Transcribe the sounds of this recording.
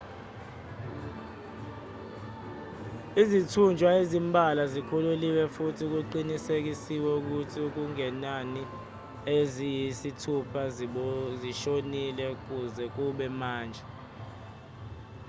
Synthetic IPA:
izitʰund͡ʒʱwaezimbʱalazikʰululiwɛfutʰiuk̬uǃinisek̬isiwɛuk̬utʰiuk̬uŋɛnani | ezijisitʰupʰa | ziʃonilɛk̬uzɛk̬uɓɛmaːnd͡ʒʱɛ

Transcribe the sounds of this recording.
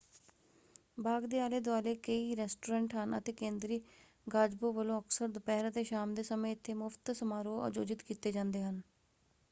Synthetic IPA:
baːɡd̪eːaːleːd̪ʊaːleːkəiːɾɛːsʈoːɾɛ̃ːɳʈɦənə̰t̪eːkẽːnd̪ɾiː | ɡaːd͡ʒboːʋəlõːəksəɾd̪pɛːɾad̪eːʃaːmd̪eːsəmẽːɪt̪ʰːeːmʊfʰt̪səmaːɾoːə̰d͡ʒoːd͡ʒɪt̪kiːt̪eːd͡ʒãːnd̪eːɦən

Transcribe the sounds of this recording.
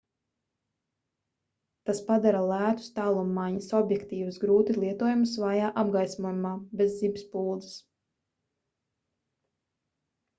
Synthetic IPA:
t̪aspad̪aɾalˠæːt̪u̥st̪aːlˠumːaɲisɔbjɛkt̪iːvusɡɾuːt̪ilˠiɛt̪uɔjumusvaːjaːʔabɡajsmɔjumaːbezibispuːlˠd̪zɨs

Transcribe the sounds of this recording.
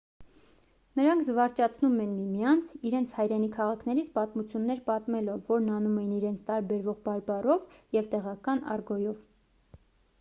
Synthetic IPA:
nəɾɑŋkʰzəvɑɾt͡ʃɑt͡sʰnumɛnmimjɑnt͡sʰiɾɛnt͡sʰhɑjɾɛnikʰːɑʁɑkʰnɛɾit͡sʰpɑt̪mut͡sʰjunːɛɾpɑt̪mɛlɔvːɔɾnɑnumɛjiniɾɛnt͡sʰt̪ɑɾbɛɾvɔʁbɑɾbɑrɔvjɛvt̪ɛʁɑkɑnɑ̰rɡɔjɔv

